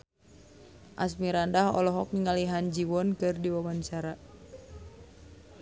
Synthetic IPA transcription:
ʔasmiɾandahɔ̰lɔɦɔk̚niŋaliɦand͡ʒiwɔnkɨrdiwabant͡ʃaɾa

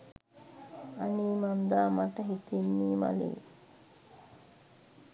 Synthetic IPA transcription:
aniːmand̪aːmaʈəɦit̪inːiːma̰lḛː

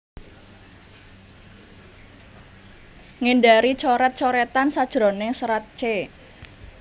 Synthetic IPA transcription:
ŋeɳɖaɾit͡ʃɔɾɛt̪̚t͡ʃɔɾɛt̪ansad̥ʒ̥ɾɔnɪŋsəɾat̪̚t͡ʃe

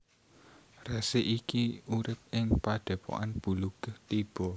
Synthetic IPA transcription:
rɛseʔikiuɾɪp̚ɪŋpaɖ̥ɛ̤po̰ʔanb̥ṳlukəht̪ib̥ɔ

